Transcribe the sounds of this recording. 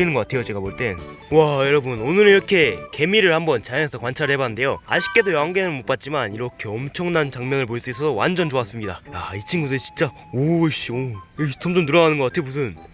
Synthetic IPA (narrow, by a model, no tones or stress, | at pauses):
inɯnɡʌk͈atʰejot͡ɕe̞ɡaboɭt͈e̞n | wajʌɾʌbɯnonɯɾiɾʌkʰe̞ke̞miɾɯɭhambʌnt͡ɕajŋesʰʌkwant͡ɕʰaɾɯɭhe̞baɯnde̞joaɕʰi̥k͈e̞dojʌɦaŋɡe̞nɯɭmop͈at̚t͡ɕ͈imaniɾʌkʰe̞ʌmt͡ɕʰʌŋnant͡ɕaŋmjʌnɯɭpois͈uis͈ʰʌsowa̰nd͡ʑʌnd͡ʑoas͈ɯmɲidajait͡ɕʰinɡudet͡ɕi̥nt͡ɕ͈a | oɕ͈ioit͡ɕomd͡ʑomtɯɾʌnanɯnɡʌk͈atʰejomusʰɯn